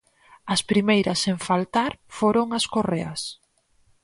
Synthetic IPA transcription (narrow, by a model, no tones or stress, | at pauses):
ɐspɾimejɾɐseɱfalt̪aɾfoɾoŋɐskoreɐs